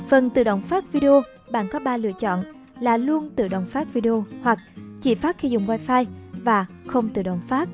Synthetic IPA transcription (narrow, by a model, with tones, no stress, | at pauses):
fə˨˩nt̪ɨ̰˧˨ɗə̰˧˨wŋ͡mfaː˦˥t̚vi˧ɗe˧o˧ | ɓa̰ː˧˨nkɔ˨˦ɓaː˧lɨ̰˧˨ət͡ɕɔ̰˧˨n | laː˨˩lu˧ənt̪ɨ̰˧˨ɗə̰˧˨wŋ͡mfaː˦˥t̚vi˧ɗe˧o˧hwa˨˩k̚t͡ɕḭ˧˩faː˦˥t̚xi˧zʊ̰˧˨ŋ͡mvaː˧jfaː˧jvaː˨˩ | xə˧wŋ͡mt̪ɨ̰˧˨ɗə̰˧˨wŋ͡mfaː˦˥t̚